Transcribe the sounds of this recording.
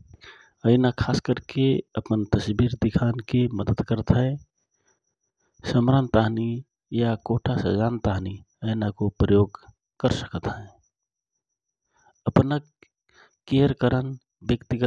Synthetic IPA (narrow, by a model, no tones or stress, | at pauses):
əɪnakʰaːskəɾkeəpənt̪əsbiɾd̪ɪkʰankeməd̪əd̪kəɾt̪ɦɛ̃ | səmɾant̪aɦni | jakoʈʰasə̰d͡ʒaːnt̪aɦni | əɪnakopɾəjoːɡ | kəɾsə̥kət̪ɦɛ̃ | əpnə | keɾkəɾən | bjəkt̪iɡə